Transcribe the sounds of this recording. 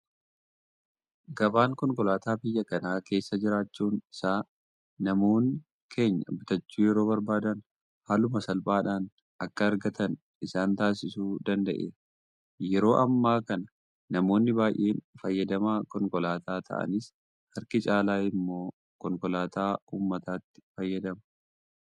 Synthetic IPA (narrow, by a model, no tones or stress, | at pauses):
ɡɐbaːŋkɔŋkɔlaːt̪aːbɪjːɐkɐnaːke̞ːsːɐd͡ʒɪɾaːt͡ʃːuːnɪ̥saː | nɐmo̞ːŋ | kʰe̞ːɲːɐ̰bɪt̪ɐt͡ʃːuːjɛɾo̞ːbɐɾbaːd̪ɐn | haːlʊmɐsɐlbʼaːᶑaːn | ʔɐkːɐːɾɡɐt̪ʰɐn | ɪsaːnt̪aːsɪsuːd̪ɐnd̪ɐʔḛː | jɛɾo̞ːʔɐmːaːkɐnɐ | nɐmo̞ːnːɪbaːjʔe̞ːnfɐjːɐd̪ɐmaːkɔŋkɔlaːt̪ʰaːt̪ʰɐ̰ʔɐ̰nɪs | hɐɾkɪt͡ʃʼaːlaːɪmːo̞ː | kɔŋkɔlaːt̪aːuːmːɐt̪aːt̪ːɪ̥fɐjːɐd̪ɐmɐ